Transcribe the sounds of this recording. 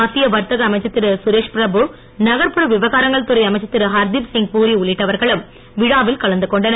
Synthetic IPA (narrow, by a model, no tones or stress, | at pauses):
ɐt̪ːɪjɐʋɐɾt̪ɐɣɐːmɐɪt͡ʃːɐt̪ːɪɾɯsʊɾeːʂpɾɐbɯ | nɐɣɐɾpɯɾɐʋɪʋɐɣaːɾɐŋɡɐɭt̪ɯɾɐɪɐmɐɪt͡ʃːɐt̪ːɪɾɯɦɐɾd̪ifsɪŋɡpuːɾiʊɭːɪʈːɐʋɐɾɣɐɭɯm | ʋɪɻaːʋɪlkɐɭɐnd̪ɯkɔɳɖɐn